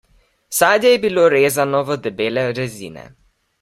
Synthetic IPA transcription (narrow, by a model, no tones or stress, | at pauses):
saːd̪jɛjɛbiloːɾeːzanɔʋəd̪ɛbeːlɛɾɛzḭːnɛ̰